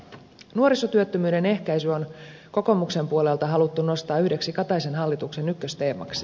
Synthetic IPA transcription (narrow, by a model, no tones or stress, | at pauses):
nuo̞ɾisot̪yøt̪ːømyːde̞ne̞hkæjsyo̞nko̞ko̞mukse̞mpuo̞le̞lt̪ɑɦɑlut̪ːuno̞st̪ɑːyhde̞ksikɑt̪ɑjsenɦɑlːit̪ukse̞nykːøst̪e̞ːmɑ̰ks